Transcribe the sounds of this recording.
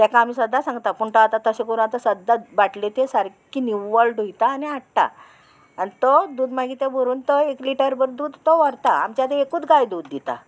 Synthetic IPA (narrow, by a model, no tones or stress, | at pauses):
t̪akaamiːsəd̪ːasãŋɡt̪apuɳʈ̪at̪at̪əɕẽkoɾũat̪asəd̪ːabaʈlet̪esaɾkiːniʋəlɖʱujt̪aːniaʈʈa̰ | anit̪od̪uːd̪maɡit̪ebʱoɾuːnt̪oekliʈəɾbəɾd̪uːd̪t̪oʋəɾt̪aa̰mt͡ɕjat̪eekuːt͡s̪ɡajd̪uːd̪ːit̪a̰